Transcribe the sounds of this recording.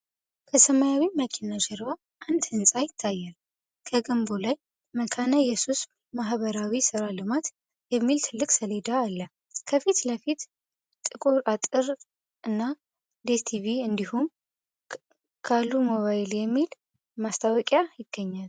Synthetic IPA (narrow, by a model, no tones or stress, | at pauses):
kʰəsəmajawiməkʰinaʃɛɾwa | ʔand̪hɨnsʼajɪt̪ʰːajːal | kʰəɡəmbolaj | məkʰanajɛsus | maɦβəɾawisɨɾalɨmat̪ | jɛmːilt̪ʰɨlːɨkʼsəle̞d̪aːlːə | kʰəfit̪ləfit̪ | t̪ʼɨkʼuɾat̪ʼɨɾ | ɨnːa | d̪est̪ʰiβiɨnd̪ihum | kʰalːumoβajɪljɛmːil | mast̪ʰawɔkʼjajɪɡ̥ːəɲːal